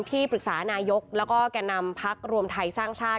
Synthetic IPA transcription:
nt̪ʰiː˥˩pʰɾɯ˨˩k̚sa̰ː˩˦naː˧jo˦˥k̚lɛː˦˥wkɔː˥˩kɛː˧nːa˧mpʰa˦˥k̚ɾu˧əmt̪ʰa˧jsaː˥˩ŋt͡ɕʰaː˥˩

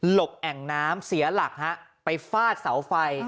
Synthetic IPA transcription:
lo˨˩p̚ʔɛ˨˩ŋnaː˦˥msi˩˦ɐla˨˩k̚ha˦˥ʔpa˧jfaː˥˩t̪̚sa˩˦wfa˧j

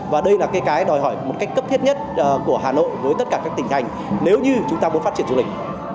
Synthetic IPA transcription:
vaː˨˩ɗə˧jlaː˨˩ka˨˦jkaː˨˦jɗɔ˨˩jɦɔ˧˩jmo˨˩t̚ka˦˥jk̟̚kə˦˥pt̪ʰi˦˥t̚ɲə˦˥t̚ːku˧˩əɦaː˨˩no̰˧˨jvəː˨˦jt̪ə˦t̚kaː˧˩kaː˦˥k̚t̪i˨˩ŋ̟t̪ʰa˨˩jŋ̟ | ne˨˦wɲɨ˧t͡ɕʊ˨˦ŋ͡mt̪aː˧mu˨˦nfa˦˥t͡ɕi˧˩ənzu˧lï˩k̚

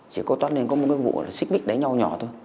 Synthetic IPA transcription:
t͡ɕi˧˩kɔ˨˦t̪wa˦˥t̚li˧nkɔ˨˦m˨˩t̚kaː˨˦jvṵ˧˨˩la˨˩si˦˥k̚ɓi˦˥k̚ɗə˨˦jɲa˧wɲɔ˨˩t̪ʰo˧j

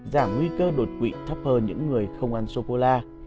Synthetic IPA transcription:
zaː˧˩mŋwi˧kəː˧ɗo˨˩t̚kwḭ˧˨t̪ʰə˦˥p̚həː˧˩ɲɨ̰˧˥ŋːɨ˨˩əjxə˧wŋ͡mʔa˧nso˧ko˧laː˧

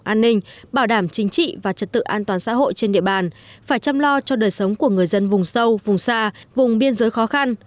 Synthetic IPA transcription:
ʔaː˧nːï˧ŋ̟ɓaː˧˩wɗaː˧˩mt͡ɕï˨˦ŋ̟t͡ɕḭ˧˨vaː˨˩t͡ɕə˨˩t̚t̪ɨ̰˧˨ʔaː˧nt̪waː˨˩nsa̰ː˧˥ɦo̰˧˨jt͡ɕe˧nɗḭ˧əɓaː˨˩nfaː˧˩jt͡ɕa˧mlɔ˧t͡ɕɔ˧ɗəː˨˩jsə˨˦wŋ͡mku˧˩əŋɨ˨˩əjzə˧nvʊ˨˩ŋ͡msə˧wvʊ˨˩ŋ͡msaː˧vʊ˨˩ŋ͡mɓi˧ənzəː˨˦jxɔ˨˦xa˧n

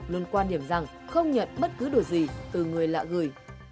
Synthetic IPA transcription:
lɨ˧ənkwaː˧nɗi˧˩əmza˨˩ŋ | xə˧wŋ͡mɲə̰˧˨nɓə˦˥t̚kɨ˨˦ɗo˨˩zi˨˩t̪ɨ˨˩ŋɨ˨˩əjla̰ː˧˨ɣɨ˨˧˩j

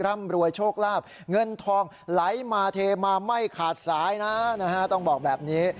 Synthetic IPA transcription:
ɾa˥˩mɾu˧əjt͡ɕʰoː˥˩k̚laː˥˩p̚ | ŋɤ˧nt̪ʰɔː˧ŋ | la˩˦jmaː˧t̪ʰeː˧maː˧ma˥˩jkʰaː˨˩t̪̚saː˩˦jna˦˥na˦˥kʰa˦˥t̪ɔ˥˩ŋbɔː˨˩k̚bɛː˨˩p̚niː˦˥

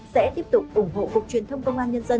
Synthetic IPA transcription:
sɛ̰˧˥t̪i˦˥əp̚t̪ʊ˨˩k͡p̚ʔʊ˧˩ŋ͡mɦo̰˧˨kʊ˨˩k͡p̚t͡ɕwi˨˩ənt̪ʰə˧wŋ͡mkə˧wŋ͡mʔaː˧nɲə˧nzə˧

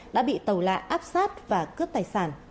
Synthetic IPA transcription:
ɗa̰ː˧˥ɓḭ˧˨t̪ə˨˩wla̰ː˧˨ʔaː˦˥p̚saː˦˥t̚vaː˨˩kɨ˦˥əp̚t̪aː˨˩jsaː˧˩n

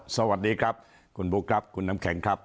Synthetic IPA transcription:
sa˧wa˨˩t̪̚diː˧kʰɾa˦˥p̚ | kʰu˧nbu˦˥kʰɾa˦˥p̚kʰu˧nːa˦˥mkʰɛ˩˦ŋkʰɾa˦˥p̚

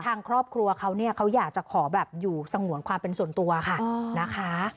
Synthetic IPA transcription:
t̪ʰaː˧ŋkʰɾɔː˥˩p̚kʰɾu˧ɐkʰa˦˥wni˥˩ɐkʰa˦˥wjaː˨˩k̚t͡ɕa˨˩kʰɔː˩˦bɛː˨˩p̚juː˨˩sa˧ŋu˨˩˦ŋkʰwaː˧mpe˧nsu˨˩ənt̪u˧ɐkʰa˥˩na˦˥kʰa˦˥

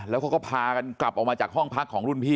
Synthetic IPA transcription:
lɛː˦˥wkʰa˦˥kɔː˥˩pʰaː˧ka˧nkla˨˩p̚ʔɔː˨˩k̚maː˧t͡ɕaː˨˩k̚ɦɔ˥˩ŋpʰa˦˥kʰːɔː˩˦ŋɾu˥˩npʰiː˥˩

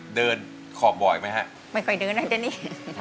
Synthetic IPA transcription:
dɤː˧n | kʰɔː˨˩p̚bɔ˨˩jma˦˥jɦa˦˥ʔ | ma˥˩jkʰɔ˧˩jdɤː˧nːa˦˥˩t̪ɛː˧˦niː˦˥

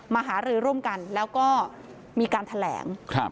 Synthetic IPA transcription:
maː˧ɦaː˩˦ɾɯː˧ɾu˥˩əmka˧nlɛː˦˥wkɔː˥˩ | miː˧kaː˧nt̪ʰa˧lɛ̰ː˩˦ŋkʰɾa˦˧˩

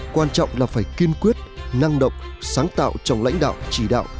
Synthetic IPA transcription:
kwaː˧nt͡ɕɔ̰˧˨wŋ͡mlaː˨˩faː˧˩jki˧ənkwi˦˥ət̚na˧ŋɗə̰˧˨wŋ͡msaː˨˦ŋt̪a̰ː˧˨wt͡ɕɔ˨˩wŋ͡mla̰˧˥jŋ̟ɗa̰ː˧˨wt͡ɕi˧˩ɗa̰ː˧˨wʔ

